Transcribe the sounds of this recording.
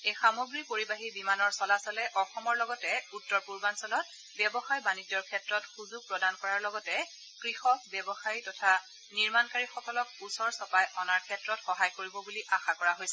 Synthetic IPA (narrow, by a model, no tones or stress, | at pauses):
ejxamoɡɹipoɹibaɦibimanɔɹsɔlasɔlɛʔɔxɔmɔɹlɔɡɔtɛutːɔɹpuɹbansɔlɔt̚ | bjɛbɔxajbanid͡ʒɔɹkʰɛtɹɔtxuzuɡ̚pɹɔdankɔɹaɹlɔɡɔtɛ | kɹixɔk̚bjɛbɔxaɹitɔtʰa | niɹmankaɹixɔkɔlɔkusɔɹsɔpajʔɔnaɹkʰɛtɹɔtxɔɦajkoɹibɔbuliʔaxakɔɹaɦojsɛ